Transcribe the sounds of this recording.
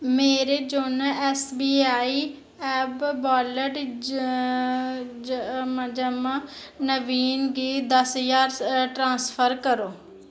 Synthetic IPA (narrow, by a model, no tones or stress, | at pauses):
meːɾeːd͡ʒoːnɛːsbiːaːiː | ɛːbbɔːləʈ | md͡ʒəmanəʋiːnɡiːd̪əsjaːɾʈɾãːspʰəɾkəɾoː